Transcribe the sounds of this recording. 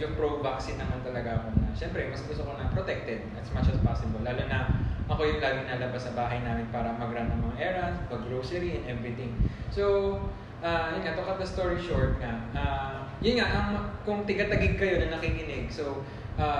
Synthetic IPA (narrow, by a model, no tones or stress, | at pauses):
jʊŋpɹowbaksɪnɐmant̪ɐlɐɡaʔɐko̞nɐʃɛmpɾɛmɐsbusɐkonɐpɾot̪ɛk̚t̪ɪb̪̚ɐt̪smat͡ʃɐspasɪbolːaːlonɐʔɐko̞jʊŋlaːɡɪŋnɐlɐbasːɐbaːɦɐjnaːmɪnpaːɾɐmɐɡɾanɐŋmɐŋaʔɛːɹɐpɐɡlowsɛɾiɛnʔɛvɾɪt̪ɪŋ | so̞w | ʔaːjʊnŋat̪ʊkɐt̚d̪ɐst̪oɹiʃoɹt̪̚ŋaʔaːjʊnŋaʔɐŋkʊŋt̪ɪɡat̪ɐɡɪɡ̚kɐjo̞nɐŋnɐkikɪnɪɡso̞w | ʔaː